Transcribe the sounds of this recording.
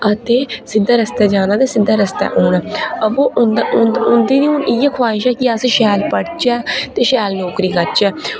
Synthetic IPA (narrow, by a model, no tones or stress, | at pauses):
ət̪eːsɪd̪aːɾəst̪ɛːd͡ʒaːnaːt̪eːsɪd̪ːaːɾəst̪ɛ̰ːʔoːnaːəboːʔʊʊnd̪iːnioːnɪjɛːkʰʊaːɪʃɛːkɪəsʃɛːlpəɽt͡ʃɛːt̪eːʃɛːlnoːkɾiːkəɾt͡ʃɛː